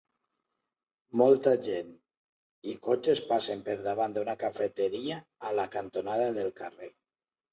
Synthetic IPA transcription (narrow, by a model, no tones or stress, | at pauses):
mɔlˠt̪aʒen | ikot͡ʃespasempeɾðaβand̪unakafet̪eɾiaːlakant̪onaðaðelkare